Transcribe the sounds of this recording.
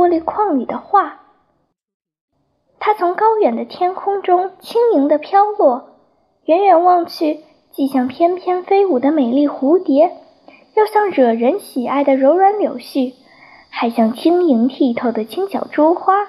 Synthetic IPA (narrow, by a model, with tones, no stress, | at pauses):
ɔ˥li˧˥kʰwɑ˥˩ŋy˨˩d̪ə˦xwa˥˩ | t̪ʰa˥t͡sʰʊ˧˥ŋkɑ˥ʊjɥɛ˨˩nd̪ə˦t̪ʰjɛ˥nkʰʊ˥ŋʈ͡ʂʊ˥ŋt͡ɕʰi˥ŋi˧˥ŋd̪ə˧pʰjɑ˥ʊlwɔ˥˩ | ɥɛ˧˥nɥɛ˨˩nwɑ˥˧ŋt͡ɕʰi˥˩ | t͡ɕi˥˩˧ɕjɑ˥˩ŋpʰjɛ˥npʰjɛ˥nfe˥ɪu˨˩d̪ə˦me˨˩ɪli˥˩xu˧˥t̪jɛ˧˥ | jɑ˥˧ʊɕjɑ˥˩ŋɻɤ˨˩ɻə˧˥nɕi˨˩a˥˩ɪd̪ə˩ɻo˧˥ʊɻwa˧˥nljo˨˩ʊɕy˥˩ | xa˧˥ɪɕjɑ˥˩ŋt͡ɕʰi˥ŋi˧˥ŋt̪ʰi˥˩t̪ʰo˥˩ʊd̪ə˩t͡ɕʰi˥ŋɕjɑ˨˩ʊʈ͡ʂu˥xwa˥